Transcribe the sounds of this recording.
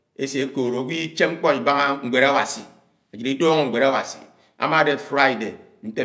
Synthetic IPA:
e˦se˨˦koː˨ɾo˨kʷi˦t͡ʃe˦ŋ͡m̩˦k͡pɔ˦i˨ba˦ŋa˦ŋ̩˨ɡ͡bʷe˨ɾa˦wa˨si˨ | a˨d͡ʒi˨ɾi˦do˦ŋe˦˨ŋ̩˨ɡ͡bʷe˨ɾa˦wa̰˨sḭ˨ | a̰˨˦ma˦de˨fɾa˦i˨de˨ | n̩˦te˦

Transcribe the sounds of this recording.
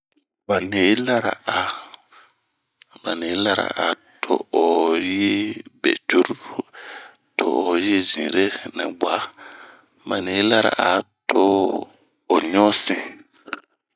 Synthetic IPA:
ba˨ne˨˦la˦ɾa̰˨a˨ | ba˨ne˨˦la˦ɾa̰˨ʔa̰˨ | tʰʊ̰˦o˨ji˦bɛ̰˨tu˦ɾɾ | tʊ˦o˨ji˦zḭ̃˨ɾe˦na̰˨ɡ͡ba˨˦ | ba˨ne˨˦la˦ɾa̰˨ʔa˨tʰʊ˦ | o˨ɲɔ˦sɪ˦˨

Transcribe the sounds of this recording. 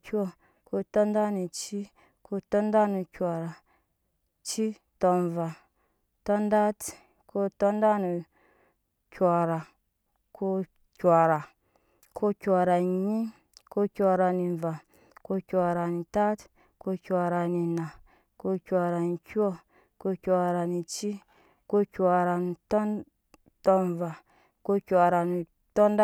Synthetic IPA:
kʲu˦ɔ˨ | ko˦tɔ˦nda˦ni˨t͡ʃi˦ | ko˦tɔ˦nda˦nu˨kʲʷa˨ɾa˨ | t͡ʃi˦ | tɔ˨nva˨ | tɔ˦nda˦t | ko˦tɔ˦nda˦nu˨ | kʲʷa˨ɾa˨ | ko˦ | kʲʷa˨ɾa˨ | kʰo˦kʲa˨ɾa˨ɲi˦ | ko˦kʲa˨ɾa˨ni˨ɱ˨va˨ | ko˦kʲa˨ɾa˨ni˨ta˦t | ko˦kʲʷa˨ɾa˨ni˨na˨ | ko˦kʲa˨ɾa˨ni˨kʲu˦o˦ | ko˦kʲa˨ɾa˨ni˨t͡ʃi˦ | ko˦kʲa˨ɾa˨n˨to˦n | to˦n˨va˨ | ko˦kʲa˨ɾa˨ni˨ | to˦nda˦

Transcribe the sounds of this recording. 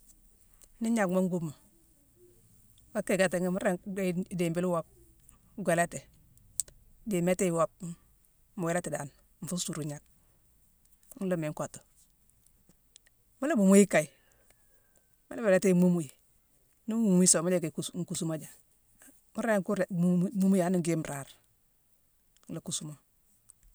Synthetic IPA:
ni˦ɲa˨kmo˦ŋ˦ɡu˦mo˨ | wa˦kːe˦˨ɡa˨te˨ŋ˦mu˦ɾe˦de˨mbi˦lwa˦p̚ | ɡʷe˨la˦te˨ | de˨me˦te˦wo˦p̚ | mu˨we˨˦la˦te˨da˨n | m̩˨fu˦ssu˨ɾu˨ɲa˨k̚ | ŋ̩˦lu˦me˨ŋka˨to̥˨ | ma˦la˦bu˨mu˦ji˦kːa˨i˨ | ma˦la˦be˨la˦te˦mu˦mu˦ji˨ | ni˦mu˨m˦i˦so˨ma˦le˦˨ke˨kuŋ˨ku˨su˦ma˦d͡ʒa˨ | mu˦ɾŋku˦ɾmu˦mu˦ja˨˦ni˦ŋɡe˦m˨ɾa˨ɾ | la˨ku˦˨su˦mo˨

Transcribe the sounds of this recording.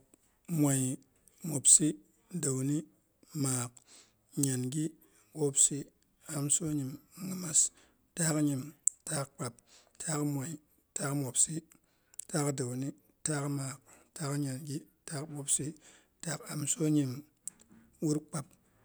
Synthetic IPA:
mʷa˨j | mo˨bsi˦ | da˨wni˦ | maː˨k̚ | ɲa˨nɡi˦ | ɓo˦bsi˦ | a˨mso˦ɲi˨m˨ŋi˨ma˦s | ta˦kɲi˨mta˦kk͡pa˨p̚tʰa˦kmʷa˨i˨ | ta˦kmo˨bsi˦ | ta˦kda˨wni˦ | ta˦kmaː˨k̚ta˦kɲa˨nɡi˦taː˦kɓo˦bsi˦ | ta˦ka˨mso˦ɲi˨m | wu˦ɾk͡pa˨p̚

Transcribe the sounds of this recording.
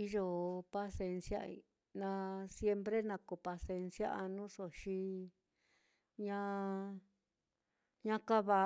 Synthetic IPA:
i˧ʒo˧pa˧se˧nsja̰˦˧ḭ˧ | nã˧sje˧mpɾe˦nã˧ko˨pa˧se˧nsja̰˦a˧nũ˦so˧ʃi˧ | ɲã˦ | ɲã˦ka˦βa˧˨

